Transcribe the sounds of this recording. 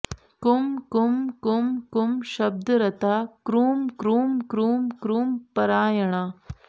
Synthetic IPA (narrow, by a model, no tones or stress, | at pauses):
kumkumkumkumʃɐb̚d̪ɐɾɐt̪aːkɾuːmkɾuːmkɾuːmkɾuːmpɐɾaːjɐɳ̃a